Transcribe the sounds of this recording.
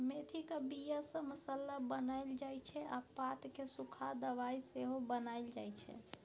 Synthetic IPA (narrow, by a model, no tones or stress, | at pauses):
met̪ʰikəbijasə̃məsəlːabənaɪld͡ʒajt͡ʃʰɛapat̪kesukʰad̪əβaiseɦobənajld͡ʒajt͡ʃʰɛ̰